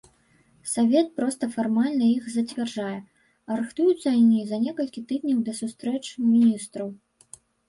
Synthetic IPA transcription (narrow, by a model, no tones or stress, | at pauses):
savʲɛt̪̚pɾɔst̪ɐfarmalʲnɐixzɐt͡sʲvʲɛrʐajɛ | ɐɾɨxt̪ujut̪sːɐnʲizɐnʲɛkɐlʲkʲit̪ɨd̪̚ʲnʲɐwd̪ɐsust̪ɾɛt͡ʂmʲinʲist̪ɾɐw